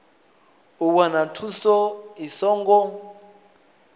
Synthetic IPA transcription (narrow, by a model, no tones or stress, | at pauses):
uwanatʰusɔisɔːŋɡɔ